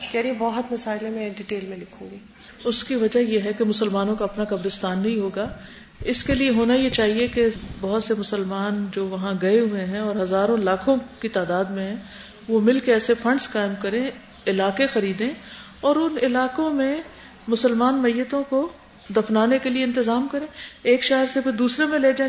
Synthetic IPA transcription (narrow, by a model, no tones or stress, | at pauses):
kɛɾiebɐɦət̪mɐsaːɪlẽmẽɖiʈeːlmẽlɪkʰũːɡiː | ʊskiʋɐd͡ʒaɦjeɦɛkemʊsəlmaːnõkaɐpnakɐbɾɪst̪aːnːɐɦĩɦoːɡaː | ɪskelieɦoːnajet͡ʃaːɦiekebɐɦʊt̪semʊsəlmaːnd͡ʒoːʋɐɦãɡɐeɦʊeɦɛ̃ɔːɾɦɐzaːɾõlaːkʰõkit̪aːd̪aːd̪mẽɦɛ̃ | ʋomɪlkeɛːsefɐ̃ɳɖskaːɪmkɐɾẽ | ɪlaːkexɐɾiːd̪ẽ | ɔːɾʊnɪlaːkõmẽ | mʊsəlmaːnmɐjːət̪õko | d̪ɐfnaːnekelieɪ̃nt̪ɪzaːmkɐɾẽːeːkʃɛɦəɾsepʰɪɾd̪uːsɾemẽleːd͡ʒãː